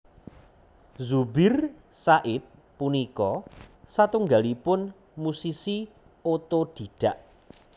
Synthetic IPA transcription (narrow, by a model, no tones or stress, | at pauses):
zubɪr | saʔɪt̪̚ | punikɔsat̪uŋɡalipʊn | musisi | ot̪oɖ̥i̤ɖ̥a̤ʔ